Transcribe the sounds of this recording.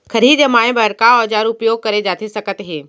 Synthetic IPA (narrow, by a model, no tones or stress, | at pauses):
kʰɐɾid͡ʒemaːẽbɐɾkaɐd͡ʒaːɾʊpjoːɡ̚kɐɾed͡ʑaːt̪ʰesɐkət̪ɦeː